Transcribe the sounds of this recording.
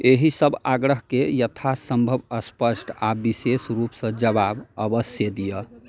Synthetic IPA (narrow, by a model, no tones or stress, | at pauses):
eɦisəbʱaɡɾəɦkejət̪ʰasəmbʱəbəspəsʈʰabisesɾupsə̃d͡ʒəbabəbəsjed̪ijə